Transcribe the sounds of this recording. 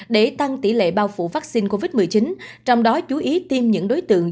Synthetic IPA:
ɗe˧˩t̪a˧ŋt̪i˧˩lḛ˧˨ɓaː˧wfṵ˧˨vaː˦˥k̚si˧nko˧vi˦˥t̚mɨ˨˩əjt͡ɕi˨˦nt͡ɕɔ˧wŋ͡mɗɔ˨˦t͡ɕu˨˦ʔi˨˦t̪i˧mɲɨ̰˧˥ŋɗo˨˦jt̪ɨ̰˧˨əŋ

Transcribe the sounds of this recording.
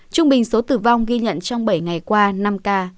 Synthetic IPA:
t͡ɕʊ˧ŋ͡mɓï˨˩ŋ̟so˨˦t̪ɨ˧˩va˧wŋ͡mɣi˧ɲə̰˧˨nt͡ɕɔ˧wŋ͡mɓə˧˩jŋa˨˩jkwaː˧na˧mkaː˧

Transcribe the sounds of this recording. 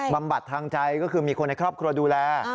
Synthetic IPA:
ba˧mba˨˩t̪ʰːaː˧ŋt͡ɕa˧jkɔː˥˩kʰɯː˧miː˧kʰo˧nːa˧jkʰɾɔː˥˩p̚kʰɾu˧ɐduː˧lɛː˧

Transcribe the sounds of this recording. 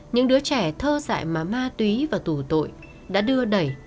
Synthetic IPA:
ɲɨ̰˧˥ŋɗɨ˨˦ət͡ɕɛ˧˩t̪ʰəː˧za̰ː˧˨jmaː˨˩maː˧t̪wi˨˦vaː˨˩t̪u˧˩t̪o̰˧˨j | ɗa̰ː˧˥ɗɨ˧əɗə˨˩j

